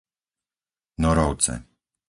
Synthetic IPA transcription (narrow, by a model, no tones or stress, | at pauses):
nɔɾɔʊt͡sɛ̰